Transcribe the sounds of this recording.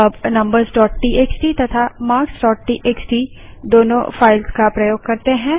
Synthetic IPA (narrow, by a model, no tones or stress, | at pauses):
ɐbnɐ̃mbəɾzɖɔːʈ̚ʈiːʔeːksʈit̪ɐt̪ʰamaːɾksɖɔːʈʈiːʔeːksʈi | d̪oːnõ̰faːɪlzkapɾɐjoːɡkɐɾt̪eɦɛ̃ː